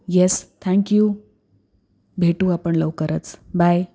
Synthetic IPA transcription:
jɛst̪ʰæ̃ŋkju | bʱeʈuːapəɳləʋkəɾət͡sbaj

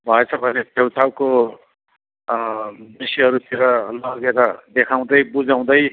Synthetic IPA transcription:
bʱʌet͡sʰʌbʱʌnetewt͡sʰawko | bisiɦʌɾut̪ʰiɾʌlʌɡeɾʌd̪ekʰaw̃d̪ʌjbud͡zaw̃d̪ʌj

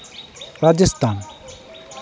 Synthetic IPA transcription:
ɾad͡ʑest̪ʰan

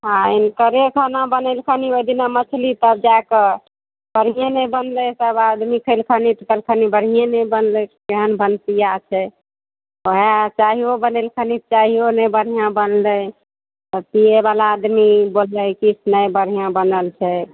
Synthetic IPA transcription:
ɦãinkəɾekʰənabənəlkʰəniod̪inamət͡ʃʰlit̪əb̚d͡ʒakə | b̥əɽ̤ijenəjbənləsəbad̪mikʰəlkʰənit̪ək̪əlkʰənibəɽ̤ijenəjbənləkeɦənbʱənt̪ijat͡ʃʰɛ | oɦet͡ʃaɦiobənelkʰənit͡ʃaɦionəbəɽ̤ijãbənlə | t̪əp̪ieβalaːd̪mibolləjkit͡ʃʰnəjbəɽ̤ijãbənəlt͡ʃʰɛ

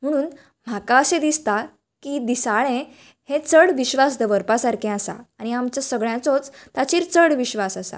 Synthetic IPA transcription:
m̤əɽ̃uːn | m̤akaəsẽd̪ist̪a | kid̪isaɭẽ | het͡səɽʋiɕʋasd̪əʋəɾpasaɾkʰɛ̃asa̰aɽ̃iamt͡ɕjasəɡɭjãt͡sɔt͡st̪at͡ɕiːɾt͡səɽʋiɕʋasasa̰

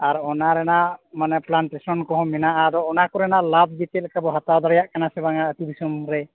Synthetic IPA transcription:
aɾɔɔnaɾɛnamanɛplantesɔnkɔɦɔmɛnaʔaɾɔɔnakuɾɛnalab̚bikɛlkʰabɔɦat̪awd̪aɾjaʔkanasɛbaŋaət̪ibisɔmɾɛ

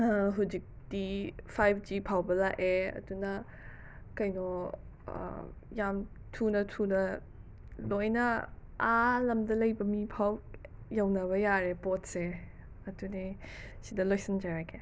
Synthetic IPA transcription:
ɦud͡ʒik̚d̥ipʰajpʰd͡ʒipʰawbɐlaʔeɐ̰dunɐ | kɐjnɔ̰ | jam | tʰunɐtʰunɐ | lojnɐalɐmdɐlɐjbɐmipʰaw | jawnɐβɐjaɾepot̚se | ɐtunesidɐlojsɐnd͡ʒaɾake

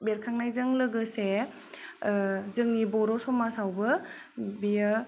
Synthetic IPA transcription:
beɾkʰaŋnajzɯŋlɯɡɯse | zɯŋnibɔɾɔsɔmasawbɯ | bija

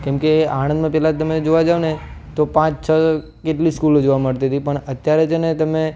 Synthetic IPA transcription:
kɛ̃mkeaɽə̃nd̪mãpɛɦlat̪əmed͡ʒoʋad͡ʒaonet̪opãt͡ʃt͡ʃʰə | keʈliskulod͡ʒoʋaməɽt̪iɦət̪ipəɳət̪jaɾed͡ʒʰenet̪əme

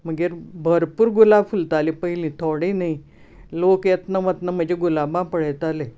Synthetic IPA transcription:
m̤əɡeɾbʱəɾpuːɾɡulafult̪alepəɦilĩt̪ʰoɽĩnai | loket̪nəʋət̪nəm̤əd͡ʑeɡulabãpəɽət̪ale

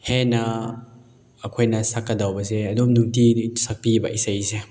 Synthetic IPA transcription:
henɐ | ɐkʰojnɐsɐkːɐdawbɐs̬eɐdumnuŋtiisak̚pibɐʔisɐjse

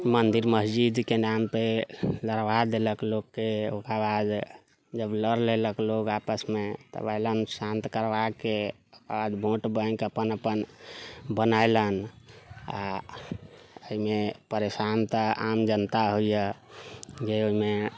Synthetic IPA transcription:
mənd̪iɾməsd͡ʒid̪kenampeləɾʋad̪eləklokːeokabad̪ | d͡ʒəbləɾleləklokapəsmet̪ə̰bəɪlənsãnt̪kəɾʋake | ad̪bʱõʈbə̃kəpənəpən | bənaelən | a̰ | əɦimepəɾesant̪əamd͡ʒənt̪aɦojə | d͡ʒeoɦime

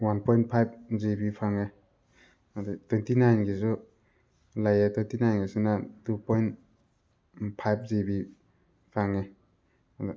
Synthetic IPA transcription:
wanpʰɔjnpʰajp̚zebipʰaŋe | adetwentinajnɡes̬u | lajetwejntinajnɡesunatupʰɔjn | pʰajp̚zebi | pʰaŋe | ad

